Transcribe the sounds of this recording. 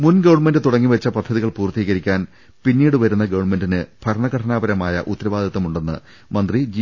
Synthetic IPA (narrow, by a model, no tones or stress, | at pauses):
munɡɐʋɐɳmendɨt̪uɽɐŋːiʋet͡ɕːɐpɐd̪ʱːɐðiɣɐɭpuːrt̪iːɣɐɾikʲːaːn | pinːiːɽɨʋɐɾunːɐɡɐʋɐɳme̞ndinɨb̥ʱɐɾɐɳɐɡɐʈʰɐnaːbɐɾɐmaːjɐ̰ʔut̪ːɐɾɐʋaːd̪ʱɐt̪ːɐmuɳɖe̞nːɨ̰ | mɐnd̪rid͡ʑi